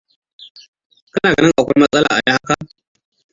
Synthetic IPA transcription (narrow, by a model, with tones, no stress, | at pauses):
kɐ˦naː˨ɡɐ˦nɪ˦ŋʔa˨kʷa˦jmɐ˦sʼɐ˦la̰ː˨ʔa˨ja˦ha˦ka˦ʔ